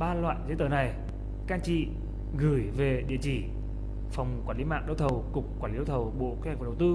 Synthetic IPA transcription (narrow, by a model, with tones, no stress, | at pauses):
ɓaː˧lwa̰ː˧˨jzə˨˦t̪əː˨˩na˨˩j | kaː˧nt͡ɕḭ˧˨ | ɣɨ˧˩jve˨˩ɗḭ˧˨t͡ɕi˧˩ | fa˨˩wŋ͡mkwaː˧˩nli˨˦ma̰ː˧˨ŋɗə˧˦wt̪ʰə˨˩wkʊ˨˩k͡p̚kːwaː˧˩nli˨˦ɗə˧˦wt̪ʰə˨˩wɓo̰˧˨ʔke˦hk̚vwt̪ɨ˧